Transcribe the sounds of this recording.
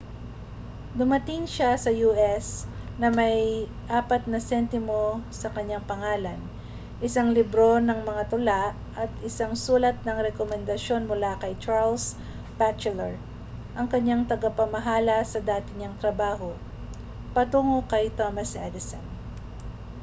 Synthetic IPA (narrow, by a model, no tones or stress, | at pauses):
d̪ʊmɐt̪ɪŋʃasɐjuːʔɛsnɐmɐj | ʔaːpɐt̪̚nɐsɛnt̪ɪmo̞sɐkɐɲaŋpɐŋaːlɐn | ʔɪsaŋlɪbɾo̞nɐŋmɐŋat̪ʊlaʔʔɐt̪ɪsaŋsuːlɐt̪̚nɐŋɾɛkomɛnd̪ɐʃjo̞nmʊlakɐjt͡ʃaɹls | bat͡ʃɛlɛɹ | ʔɐŋkɐɲːaŋt̪ɐɡɐpɐmɐɦaːlɐsɐd̪aːt̪ɪɲaŋt̪ɾɐbaːɦo | pɐt̪uːŋokɐjt̪omɐsʔɛd̪ɪsɐ̰n